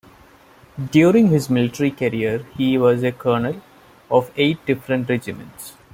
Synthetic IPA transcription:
ɖjuːɾɪ̃ŋɡhɪzmɪlɪʈəɾikɛɾiəɾhiːʋɔːzekʰəːnəl | ɔʋeːʈ̚ɖ̥ɪfɾə̃ɳʈɾɛd͡ʒɪmə̰̃ɳʈs

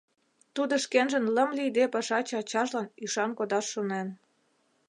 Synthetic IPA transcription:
t̪ud̪ŏʃkenʒənləmlid̪epɑʃɑt͡ɕɑt͡ɕɑʒlɑnyʃɑnkod̪ɑʃːonen

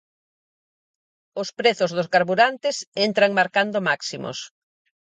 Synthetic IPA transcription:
ʊspɾeθʊzðʊskaɾβuɾant̪ɪsent̪ɾaŋmaɾkand̪omaksimo̰s

